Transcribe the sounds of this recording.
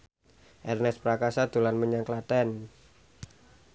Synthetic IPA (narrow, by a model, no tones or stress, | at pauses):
ʔɛrnɛspɾakasad̪̥ṳlanməɲaŋklad̥an